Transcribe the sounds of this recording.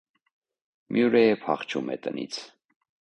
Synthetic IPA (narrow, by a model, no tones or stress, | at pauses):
mjuɾɛjɛpʰɑχt͡ʃʰumɛ̰t̪ənḭt͡sʰ